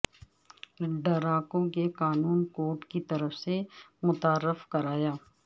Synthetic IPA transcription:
ɖɐɾaːkõkeqaːnuːnkoːɾʈkit̪ɐɾəfsemʊt̪aːɾːɪfkɐɾaːjaː

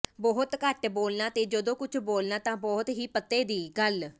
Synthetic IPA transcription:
bɔːɦt̪kəʈboːlnãːt̪eːd͡ʒəd̪õːkʊt͡ʃʰboːlnaːt̪ãːbɔːt̪ɦiːpət̪ːeːd̪iːɡəl

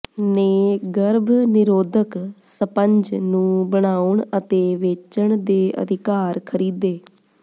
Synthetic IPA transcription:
neːɡəɾbʱnɪɾoːd̪əksəpəɲd͡ʒnũːbəɽ̃aːʊɳət̪eːʋeːt͡ʃəɳd̪eːʔə̰d̪ʱɪkaːɾkʰəɾiːd̪eː

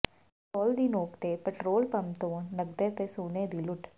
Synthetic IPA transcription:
kɔːld̪iːnoːkt̪eːpɛʈɾoːlpɐmt̪õːnɐɡ̚d̪et̪esuːneːd̪ilʊʈʰ

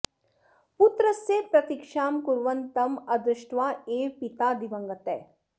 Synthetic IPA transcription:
put̪ɾəsepɾɐt̪ikʃaːmkuɾʋɐnt̪ɐmɐd̪ɾɨʃʈʋaːeːpit̪aːd̪iʋɐ̃ŋɡɐt̪ḛː

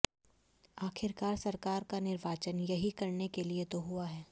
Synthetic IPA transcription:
aːxʰɪɾkaːɾsɐɾkaːɾkanɪɾʋaːt͡ʃənjɐɦikɐɾnekeliet̪oɦuaɦɛː

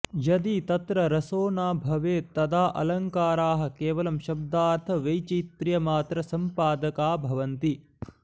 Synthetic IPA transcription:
jɐd̪it̪ɐt̪ɾɐɾɐsoːnaːbʱɐʋeːt̪ɐd̪aːʔɐ̰lɐŋkaːɾaːɦɐ̆keːʋɐlɐmʃɐb̚d̪aːɾt̪ʰɐʋɐjt͡ʃit̪ɾijɐmaːt̪ɾɐsɐmpaːd̪ɐkaːbʱɐʋɐnt̪i

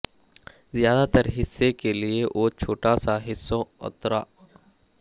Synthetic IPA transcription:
zjaːd̪at̪əɾɦɪsːekelieʔoːt͡ʃʰoːʈasaɦɪsːõʊ̰t̪ɾa̰ː

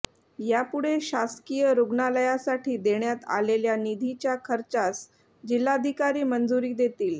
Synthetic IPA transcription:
japuɽeɕaskijəɾuɡnaləjasaʈʰiːd̪eɳjat̪a̰leljanid̪ʱit͡ɕjakʰəɾt͡sas | d͡ʑilːad̪ʱikaɾiːmənd͡zuɾiːd̪et̪iːl

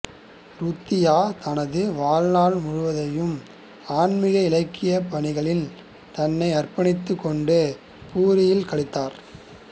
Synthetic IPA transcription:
ɾʊt̪ːɪjaːt̪ɐnɐðɯʋaːɻnaːɭmʊɻʊʋɐðɐjɯm | aːɳmɪɣɐɪlɐɪkːɪjɐpɐɳɪɣɐɭɪl | t̪ɐnːɐɪɐrpɐɳɪt̪ːɯkːɔɳɖɯ | puːɾɪjɪlkɐɭɪt̪ːaːɾ

